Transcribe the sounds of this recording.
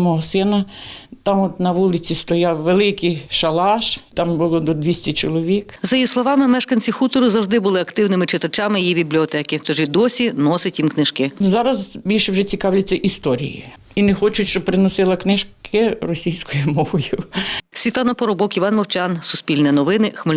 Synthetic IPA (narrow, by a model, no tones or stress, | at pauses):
mɔɦɔsɪnɐt̪ɑmɔt̪nɐʋulˠɪt͡sʲist̪ɔjɑwʋelˠɪkɪjʃɐlˠɑʃt̪ɑmbʊlˠɔd̪ɔd̪ʲʋʲisʲtʲɛt͡ʃɔlˠɔʋʲikzɐjislˠɔʋɑmɪmɛʃkɐnʲt͡sʲixut̪ɔɾʊzɐwʒd̪ɪbʊlˠɪɐkt̪ɪwnɪmɪt͡ʃɪt̪ɐt͡ʃamɪjijibʲiblʲiɔt̪ɛkɪt̪ɔʒɪd̪ɔsʲinɔsʲɪtʲjimknɪʃkɪzɑɾɐzbʲilʲʃɛwʒɛt͡sʲikɑwlʲɐt͡sʲːɐʔist̪ɔɾʲḭjḭ | inɛxɔt͡ʃʊtʲʃt͡ʃɔb̚pɾɪnɔsɪlˠɐknɪʃkʰɪrɔsʲijsʲkɔjʊmɔʋɔjʊsʲʋʲit̪lˠɑnɐpɔɾɔbɔkiʋɑnmɔwt͡ʃansʊspʲilʲnɛnɔʋɪnɪxmɪ